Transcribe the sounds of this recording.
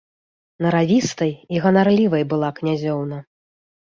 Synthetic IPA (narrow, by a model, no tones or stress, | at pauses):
nɐɾavʲist̪ɐjiɣɐnarlʲivɐjbɨlˠaknʲazʲɔwnɐ